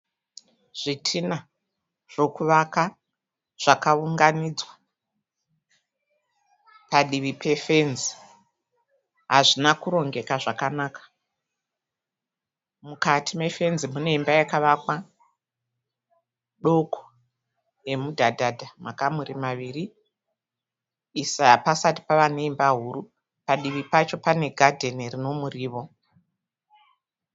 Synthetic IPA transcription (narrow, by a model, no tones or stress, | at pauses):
ʐ̥itʰina | ʐ̥o̞kuʋaka | ʐ̥akauŋɡanid͡zwa | paɗiʋipʰe̞fe̞nzi | ɦaʐinakuɾo̞ŋɡe̞kaʐakanaːkḁ | mukatʰime̞fe̞nzimune̞imbajakaʋakwa | ɗo̞kʰo̥ | je̞mudʱadʱadʱamakamuɾimaʋiːri | sapasati̥paʋaneimbaɦuɾu | paɗiʋipat͡ʃo̞pane̞ɡʱadʱe̞nirino̞muriːʋo̞